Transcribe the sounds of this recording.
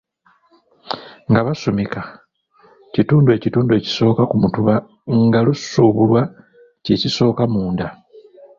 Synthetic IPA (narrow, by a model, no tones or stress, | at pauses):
ŋɡaβasomika | cituːndue̞ːcituːndue̞ci̥so̞ːkakumutuβa | ŋɡalusuβulwa | ceciso̞ːkamuːnda